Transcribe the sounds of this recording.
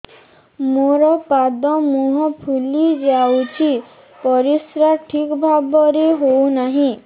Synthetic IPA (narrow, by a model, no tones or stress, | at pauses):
moɾɔpad̪ɔmuɦɔpʰulid͡ʒawt͡ʃʰi | pɔɾisɾaʈʰikbʱabɔɾeɦownaɦĩ